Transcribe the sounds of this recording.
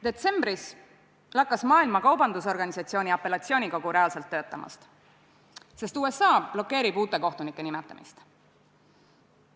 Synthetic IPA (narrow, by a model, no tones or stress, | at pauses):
d̪̥e̞t̪se̞mbris | lɑkːˑɑsmɑːilmɑkɑwbɑnd̪us̬o̞rɡɑnʲisɑt̪sio̞ːnʲiɑpːˑe̞lɑtsio̞ːnʲiko̞ɡ̥uɾe̞ɑlse̞lt̪ːøːt̪ːˑɑmɑ̰st̪ | se̞st̪uːe̞sɑːb̥lo̞kːe̞ːɾib̥uːt̪ːˑe̞ko̞ht̪unikːˑe̞nimɛt̪ːˑɑ̰mḭst̪